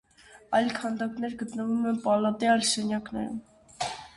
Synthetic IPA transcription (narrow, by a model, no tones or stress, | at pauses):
ɑjlkʰɑnd̪ɑknɛɾɡət̪nəvumɛnpɑlɑt̪iɑjlʃɛnjɑknɛ̰ɾṵ